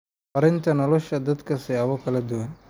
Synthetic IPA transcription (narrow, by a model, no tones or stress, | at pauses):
ɐɾɪnt̪ʰɐnɔlɔʃɐd̪ɐd̪kʰɐsɪaːwɔkʰɐlɐd̪ʊwɐn